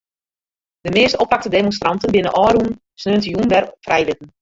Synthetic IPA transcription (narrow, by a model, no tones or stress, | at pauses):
dəmɪəstɔpak̚tədemonstrɑntənbɪnənʔɔːɾun | snøəntəjunʋɛrfrʔɛjlɪtən̩